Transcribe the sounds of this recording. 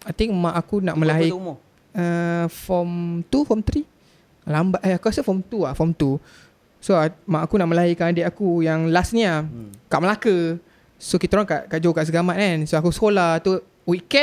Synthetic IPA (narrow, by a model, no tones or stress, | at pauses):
ajt̪iŋmãʔakunaʔmə̃laimo | əfɔmt̪ufɔmt̪ɾi | lambaʔaakuɾasəfɔmt̪uafɔmt̪u | soamãʔakunaʔməlajikanadeʔakujaŋlasnĩakaʔməlakə | sokit̪aɾɔŋkaʔkaʔd͡ʒokaʔsəɡamaʔ̪̚nansoakusə̥kolat̪u | wikɛ